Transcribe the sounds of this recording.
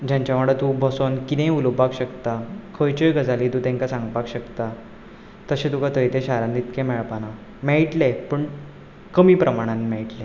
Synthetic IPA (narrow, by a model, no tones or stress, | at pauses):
d͡ʑãɲt͡ɕaməɽət̪ũbʱəsonkinẽulpakɕəkt̪akʰəjt͡ɕəjɡəd͡zalit̪ũt̪ɛ̃ŋkasãŋɡpakɕəkt̪a | t̪əɕẽt̪ukat̪ʰəjt̪eɕaɾãnd̪it̪kẽmɛɭpana | mɛɭʈlepəɳ | kəmiːpɾəmaɽ̃anmɛɭʈle